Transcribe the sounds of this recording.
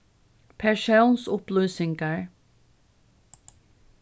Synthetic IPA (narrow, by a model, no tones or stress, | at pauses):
pʰæɹʃansʊplʉːsɪŋɡəɹ